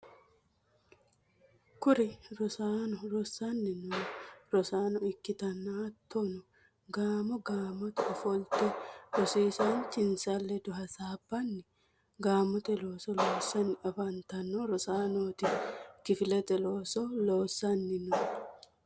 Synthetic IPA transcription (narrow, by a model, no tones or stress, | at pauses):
kʊɾɪɾɔsaːnɔɾɔsanːɪnʊɾɔsaːnɔɪkːɪt̪ɐnːaːt̪ʰːɔnɔ | ɡaːmɔɡaːmːɔt̪ɛɔfɔlt̪ɛɾɔsiːsant͡ʃɪnsalːɛd̪ʊɦɐsaːbːɐnːɪ | ɡaːmːɔt̪ɛloːsɔloːsːɐnɪɐfɐnt̪ɐnːɔɾɔsaːnoːt̪ɪkɪfɪlɛt̪ɛloːsɔloːsːɐnːɪnʊ